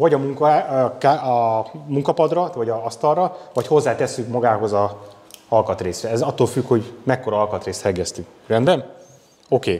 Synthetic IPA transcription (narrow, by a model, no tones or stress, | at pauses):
vɒɟɒmuŋkɒkaɒmuŋkɒpɒd̪rɒvɒɟɒɒst̪ɒrrɒvɒcho̞zːaːt̪ɛsːykmɒɡaːɦo̞zɒ | ɒlkɒt̪reːsrɛɛzɒt̪ːolfykho̞ɟmɛkːo̞ɾɒɒlkɒt̪reːst̪hɛɡːɛst̪ykrɛnd̪bɛn | o̞keː